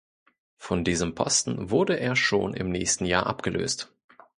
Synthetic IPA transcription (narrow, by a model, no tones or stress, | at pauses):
fɔndiːzəmpʰɔ̰stn̩vʊɐdəʔeːɐʃoːnɪ̰mnɛːçstn̩jaːɐʔa̰pɡ̥əlʔø̰ːst